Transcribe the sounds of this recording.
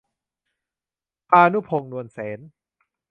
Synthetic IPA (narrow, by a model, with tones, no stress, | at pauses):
paː˧nu˦˥˩pʰo˧ŋnu˧ənseː˩˦n